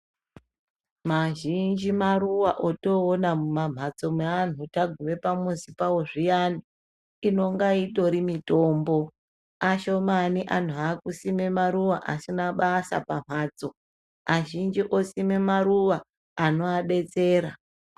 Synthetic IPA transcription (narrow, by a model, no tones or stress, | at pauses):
maʒind͡ʒimaruʋaʔoto̞ːnamumam̤at͡so̞mean̤utaɡʱume̞pamuzipaoʐijani | ino̞ŋɡaito̞ɾimito̞ːmbo̞ | aʃo̞maniʔan̤uaːkusimemaɾuʋaʔasinaɓasa̰pam̤aːd͡zo̞ | aʒind͡ʒiʔosimemaɾuʋaː | no̞aɗe̞t͡se̞ːɾa